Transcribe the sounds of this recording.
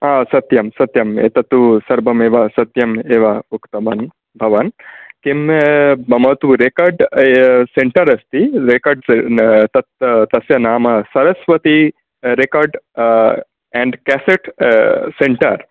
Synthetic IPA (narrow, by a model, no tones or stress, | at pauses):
aːsɐt̪jɐmsɐt̪jɐmḛːt̪ɐt̪usɐɾbʱɐmeːʋɐsɐt̪jɐmeːʋɐukt̪ɐmɐn | bʱɐʋɐnkembɐmɐt̪uɾekɐɾɖseɳʈɐɾɐst̪iɾekɐɾɖt̪ɐt̪t̪ɐsjɐnaːmɐsɐɾɐsʋɐt̪i | ɾekaːɾɖ | ɛ̃ːɳɖkɛːseʈseɳʈɐ̰ɾ